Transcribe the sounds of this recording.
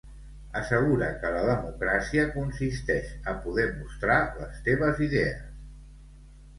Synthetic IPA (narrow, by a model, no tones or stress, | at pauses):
əsəɣ̞uɾəkələðəmukɾasiəkunsist̪ɛʃəpuðɛmust̪ɾaləst̪eβ̞əziðeəs